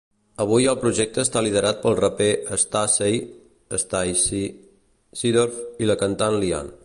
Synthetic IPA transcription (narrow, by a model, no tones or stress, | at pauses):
əβ̞ujəlˠpɾuʒɛk̚t̪əːst̪alið̞əɾat̪̚pəlˠrəpeʔəst̪asej | əst̪ajs | siðɔɾfiləkənt̪anlia̰n